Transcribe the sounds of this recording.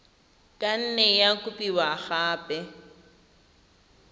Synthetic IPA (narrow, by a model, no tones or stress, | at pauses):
kʼan̩nɛjakʼʊpʼiwaɣaːpʼɛ